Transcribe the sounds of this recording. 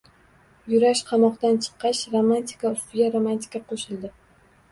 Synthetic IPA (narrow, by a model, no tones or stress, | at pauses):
jʊɾaʃqʰɑmɒqt̪ant͡ʃʰɨ̥qʰːɑʃɾomant̪ʰɪ̥kaʊst̪ɪɡʲaɾomant̪ʰɪ̥kaqʰoʃɪlˠd̪ɪ